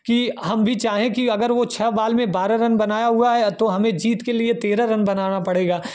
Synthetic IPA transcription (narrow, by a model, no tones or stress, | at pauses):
kiɦɐmbʱit͡ʃaːɦẽkiɐɡəɾʋot͡ʃʰɐbaːlmẽbaːɾaɾɐnbɐnaːjaɦuaɦɛt̪oɦɐmẽd͡ʒiːt̪keliet̪eːɾaɾɐnbɐnaːnapɐɽeːɡaː